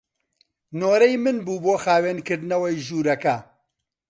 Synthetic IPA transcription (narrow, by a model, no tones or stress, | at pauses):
noːɾɛjmɨnbuːboːxaːweːnkɨɾd̪ɨnɐwɐjʒuːɾɐkɐ